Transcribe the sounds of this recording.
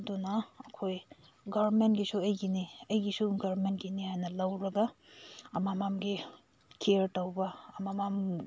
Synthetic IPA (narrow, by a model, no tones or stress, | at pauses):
dunɐɐkʰoj | ɡɐbɾment̚ɡisuɐjɡiniɐjɡisuɡɐɾmentɡinihajnɐlɐwɾɐɡɐɐmamamɡi | kʰeɾtɐwbɐːmamam